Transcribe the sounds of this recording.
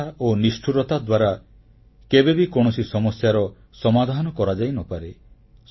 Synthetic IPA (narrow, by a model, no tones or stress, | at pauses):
aonisʈʰuɾɔt̪ad̪waɾa | kebebikoɽ̃ɔsisɔmɔsjaɾɔ | sɔmad̪ʱanɔkɔɾad͡ʒajnɔpaɾe